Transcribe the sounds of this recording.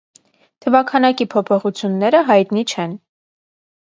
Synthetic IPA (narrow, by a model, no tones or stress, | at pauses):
t̪ʰəvɑkʰɑnɑkipʰɔpʰɔχut͡sʰjunːɛɾəɦɑjt̪nit͡ʃʰɛn